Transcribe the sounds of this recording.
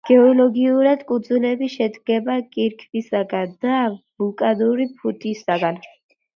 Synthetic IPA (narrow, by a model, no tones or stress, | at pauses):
ɡ̥ɛɔlɔɡiuɾad̪kʼud̪zunɛbiʃɛd̪ɡɛbakʼiɾkʰbisaɡand̪abukʼad̪uɾipʰut̪ʰisaɡan